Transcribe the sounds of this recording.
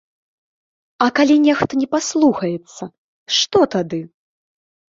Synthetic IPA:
ɐkalʲinʲɛxt̪ɐnʲɛpaslˠuxɐjɛt̪sːɐ | ʂt̪ɔt̪ad̪ɨ

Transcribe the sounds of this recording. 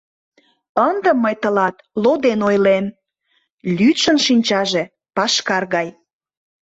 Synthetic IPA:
ənd̪ə̆mːəjt̪əlɑt̪lod̪enojlem | lʲyt̪ʃənʃinʲt͡ɕɑʒe | pɑʃkɑrɣɑj

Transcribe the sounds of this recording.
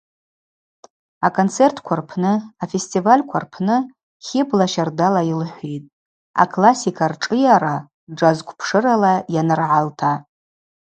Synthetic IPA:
akʼont͡sʰe̞rtʰkʷʰarpʰnɨafe̞stʼivalʲkʷʰa̰rpʰnɨ | χʲɪblaʃardalailħʷᶣijtʼ | a̰kʼlasikʰarʈ͡ʂʼɨjaɾa | ʈ͡ʂazkʷʰʼpʰʂɨɾalajanɨrʕaltʰa

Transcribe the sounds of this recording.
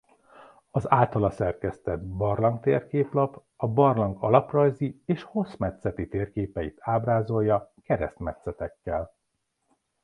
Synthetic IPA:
ɒzaːlt̪ɒlɒsɛrkɛst̪ɛd̪bɒrlɒŋk̚t̪ḛːrkeːplɒp | ɒbɒrlɒŋɡɒlɒprɒjzieːʃho̞smɛt̪sɛt̪it̪eːrkeːpɛit̪ʰaːbraːzo̞jːɒkɛɾɛ̰st̪mɛt̪sɛt̪ɛkːɛl

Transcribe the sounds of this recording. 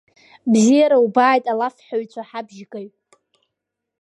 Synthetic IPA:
bzijaɾaubaːjtʼalafħaɥt͡ʃʷʰaħabʒkʼajʼ

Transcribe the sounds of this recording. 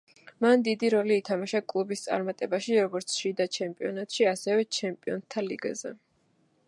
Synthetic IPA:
mand̪id̪iɾɔliːt̪ʰamaʃakʼlˠubist̪sʼa̰ɾmat̪ʼɛbaʃiɾɔɡɔɾt̪sʰʃid̪at͡ʃʰɛmpʼiɔnat̪ʼʃiasɛvɛt͡ʃʰɛmpʼiɔnt̪ʰːaliɡazɛ̰

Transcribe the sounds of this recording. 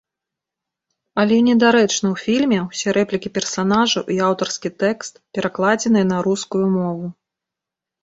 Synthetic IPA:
ɐlʲɛnʲɛd̪aɾɛt͡ʂnɐwfʲilʲmʲɛwsʲɛɾɛplʲikʲipʲɛrsan̪aʐɐʔiawt̪ɐrskʲit̪ɛkst̪̚pʲɛɾaklˠad͡zʲɛn̪ɨjɛnɐɾuskujumɔvu

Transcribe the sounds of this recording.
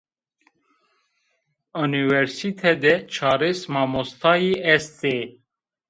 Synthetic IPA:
uniwɛɾsit̪ʰɛd̪ɛt͡ʃʰɑːɾesmɑmost̪ʰɑːjiɛst̪e

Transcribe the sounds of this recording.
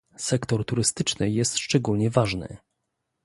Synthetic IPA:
sɛkt̪ɔɾt̪uɾɘst̪ɘt͡ʂnɘjɛst̪ʂt͡ʂɛɡulɲɛvaʐnɘ̰

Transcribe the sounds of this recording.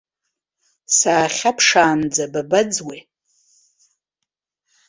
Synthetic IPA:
saːχʲapʰʂaːnd͡zababad͡zwi

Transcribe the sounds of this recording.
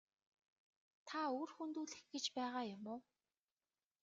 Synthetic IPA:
t̪ʰaoːrxunt̪uːɮɘ̆xɡet͡ɕpæːʁaːjʊmʊː

